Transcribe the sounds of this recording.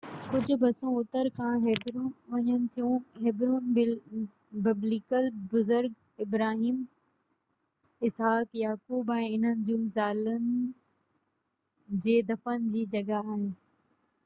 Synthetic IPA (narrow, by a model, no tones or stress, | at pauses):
kʊd͡ʑʱʊ̆bɐsõʊt̪əɾkʰãɦɪbɾũːʋɐɲənɪ̆t̪ʰijũɦɪbɾuːn | bɪblikəlbʊzʊɾɡ | ɪbɾaːɦiːm | ɪsɦaːkjaːkuːbɛ̃ːɪn̤ənɪ̆d͡ʑũːzaːlʊnɪ | d͡ʑeːd̪ɐfənɪ̆d͡ʑiːd͡ʑɐɡaaːɦeː